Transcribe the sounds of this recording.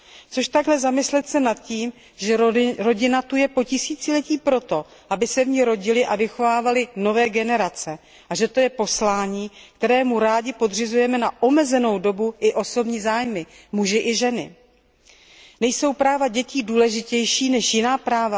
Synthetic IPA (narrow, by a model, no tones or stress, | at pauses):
t͡so̞ʃt̪aɡɦlɛzamɪslɛt̪sɛnat̪̚ciːm | ʒɛɾo̞ɟɪnat̪ujɛpo̞cɪsiːt͡sɪlɛciːpɾo̞t̪o̞ | ʔabɪsɛvɲɪɾo̞ɟɪlɪʔavɪxo̞vaːvalɪno̞vɛːɡɛnɛɾat͡sɛ | ʔaʒɛt̪o̞jɛpo̞slaːɲiːk̚t̪ɛɾɛːmuɾaːɟɪpo̞dr̝ɪzujɛmɛnaʔo̞mɛzɛno̞wdo̞buʔɪʔo̞so̞bɲiːzaːjmɪ | muʒɪʔɪʒɛnɪ̰ | nɛjso̞wpɾaːvaɟɛciːduːlɛʒɪcɛjʃiːnɛʃjɪnaːpɾaːva